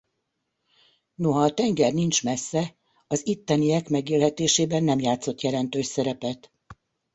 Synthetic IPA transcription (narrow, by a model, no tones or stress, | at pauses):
noɦɒːt̪ɛŋɡɛrnint͡ʃmɛsːɛ | ɒzit̪ːɛnijɛkmɛɡeːlɦɛt̪eːʃeːbɛnːɛmjaːt̪so̞t̪jɛlɛnt̪øːʃsɛɾɛpɛt̪